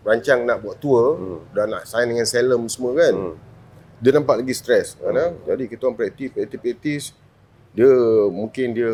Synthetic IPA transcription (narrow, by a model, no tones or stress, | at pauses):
raɲt͡ʃaŋnaʔbuaʔt̪uədaʔna̰ʔsaɪndəŋansɛləmsəmuəkan | diənampaʔlaɡist̪ɾɛskanəd͡ʒadikit̪aŋpɾɛt̪ipɾɛt̪ipɛt̪is | diəmũŋkɪndiə